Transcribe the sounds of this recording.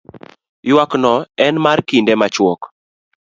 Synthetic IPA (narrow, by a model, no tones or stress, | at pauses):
jwaknɔɛnmarkindemat͡ʃwɔk